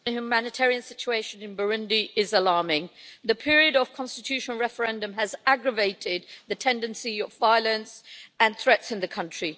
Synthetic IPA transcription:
ɨhjumænɨtʰɛɹiɨ̃nsɪt͡ʃueɪʃɨ̃nɨ̃nbə˞ɪ̃ndiʔɪzəlɑɹmɪ̃ŋðɨpʰɪɹiɨɾəv̥kʰɑ̃nstɨtʰʉʃn̩ˠɹɛfə˞ɛ̃ndə̃mɨzæɡɹəveɪɾɪd̪̚ðɨtʰɛ̃ndɨ̃nsiəvvaɪlˠə̃nsə̃nθɹɛtsɨ̃nðɨkʰʌ̃nt͡ʃɹ̥i

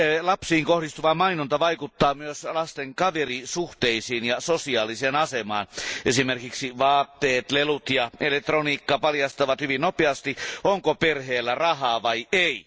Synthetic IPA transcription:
lɑpsiːŋkohdist̪uʋɑmɑinont̪ɑʋɑikut̪ːɑːmyøslɑst̪eŋkɑʋerisuht̪eisiːnjɑsosiɑːliseːnɑsemɑ̰ːnʔesimerkiksiʋɑːt̪ːeːt̪lelut̪jɑelek̚t̪roniːkːɑpɑljɑst̪ɑʋɑt̪hyʋinnopeɑst̪ioŋkoperheːlːærɑhɑːʋɑiʔei

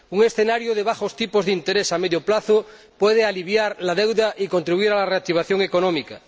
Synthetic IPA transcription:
uŋesθenaɾjoðeβaxost̪ipozðint̪eɾesameðjoplaθo | pweð̞ealiβjaɾlaðewðaʔiko̞nt̪ɾiβuiɾalareak̚t̪iβ̞aθjoŋekonõmika

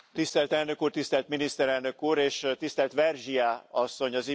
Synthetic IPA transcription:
t̪ist̪ɛlt̪ɛlnø̞kuːrt̪ist̪ɛlt̪minist̪ɛɾɛlnø̞kuːɾeːʃt̪ist̪ɛlt̪ʋɛrʒijaːɒsːo̞ɲɒz

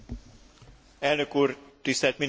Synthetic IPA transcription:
ɛlnøkuːrt̪ist̪ɛlt̪mi

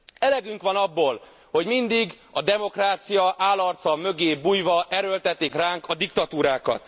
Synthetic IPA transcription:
ɛlɛɡyŋkʋɒnɒbːoːl | ho̞ɟmind̪iɡ | ɒd̪ɛmo̞kraːt̪sijɒʔaːlːɒrt̪sɒmø̞ɡeːbuːjvɒʔɛɾølt̪ɛt̪ːikraːŋkɒd̪ikt̪ɒt̪uːɾaːkɒ̰t̪

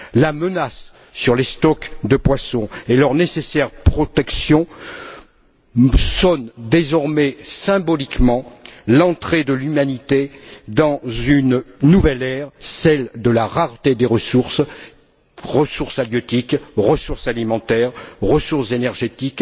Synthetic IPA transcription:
lamənasː | yʁlest̪ɔkd̪əpwasɔ̃elœʁnesesɛʁpχɔt̪ɛksjɔ̃ | sɔnd̪ezɔʁmɛsɛ̃bɔlikmɑ̃lɑ̃t̪χed̪əlymanit̪ed̪ɑ̃zynnuvɛlɛʁsɛld̪əlaʁaʁt̪ed̪eʁəsuʁs | ʁəsuʁsaljɔt̪ikʁəsuʁsalimɑ̃t̪ɛʁʁəsuʁszenɛʁʒet̪ik

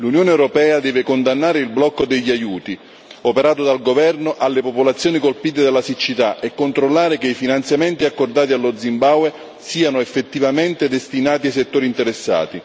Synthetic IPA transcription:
lunjoːneɛwɾopɛːad̪ɛːvekond̪anːaːɾeilblɔkːod̪eʎːajuːt̪i | opeɾaːt̪ʊd̪alɡovɛrnoʔalːepopolat̪sːjoːnikolpiːt̪ed̪alːasit͡ʃːit̪aʔekːont̪ɾolːaːɾekeifinant̪sjamɛnt̪iakːord̪aːt̪̬ialːod̪zimbawe | siːanʊefːet̪ːivament̪ed̪est̪inaːt̪̬iaset̪ːoːɾint̪eɾesːa̰ːt̪i

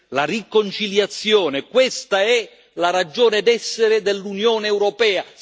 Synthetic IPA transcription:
larikont͡ʃiljat̪sːjɔːnekwɛst̪aɛ | laɾad͡ʒɔːnɪd̪ɛsːeɾɪd̪elːunjɔːneːwɾɔpɛːa

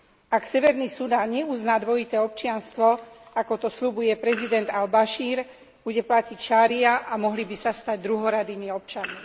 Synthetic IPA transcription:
aksɛʋɛɾniːsud̪aːnɲɛuznaːd̪ʋɔit̪ɛːɔp̚t͡ʃɪanst̪ʋɔakɔt̪ɔsʎubujɛpɾɛzid̪ɛnd̪albaʃiːɾ | b̥uɟɛplacicʃaːɾiaʔamɔɦlibisast̪aɟd̪ɾuɦɔɾad̪iːmiɔp̚t͡ʃanmi

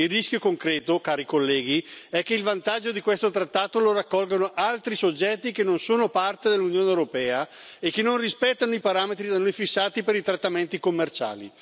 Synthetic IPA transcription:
ilːiskjokoŋkɾɛːt̪okaːɾikolːɛːɡiɛkːeilvant̪ad͡ʒːod̪ikwest̪ot̪ɾat̪ːaːt̪oloɾakːɔlɡonoʔalt̪ɾisod͡ʒːɛt̪ːikenonsoːnopart̪ed̪elːunjoːnewɾopɛːa | ekːenːonrispɛt̪ːanoipaɾaːmet̪ɾid̪anojfisːaːt̪ipeɾit̪ɾat̪ːament̪ikomːert͡ʃa̰ːlḭ

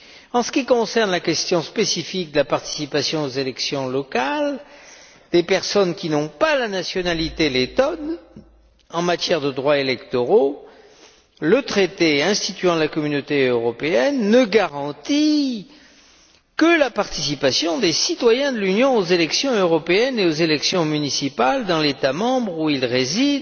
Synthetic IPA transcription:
ɑ̃sə̥kʲikɔ̃sɛʁnlakʲɛst̪jɔ̃spesifik̚d̪əlapaʁt̪i̥sipasjɔ̃ozelɛksjɔ̃lɔkal | d̪̥epɛʁsɔnkʲinɔ̃palanasjɔnalit̪elet̪ɔn | ɑ̃mat̪jɛʁd̪əd̪ʁwaelɛkt̪ɔʁo | lət̪χet̪eɛ̃st̪it̪ɥɑ̃lakɔmynot̪eøʁɔpeɛnːəɡaʁɑ̃t̪i | kəlapaʁt̪isipasjɔ̃d̪esit̪wajɛ̃d̪əlynjɔ̃ozelɛksjɔ̃øʁɔpeɛneozelɛksjɔ̃mynisipald̪ɑ̃let̪amɑ̃bʁuilʁezid̪

